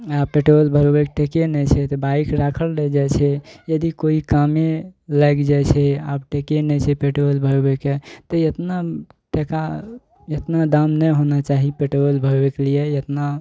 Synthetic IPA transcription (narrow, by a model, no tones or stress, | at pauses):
apeʈolbʱəɾwekʈekenɛt͡ʃʰɛt̪ɔbaikɾakʰəlɾɛd͡ʒat͡ʃʰɛjəd̪ikoikameləkd͡ʒajt͡ʃʰɛabʈekenɛt͡ʃʰɛpeʈolbʱəɾweket̪ɔet̪naʈeka | et̪nad̪amnɛɦonat͡ʃaɦipeʈolbʱəɾwekliejət̪na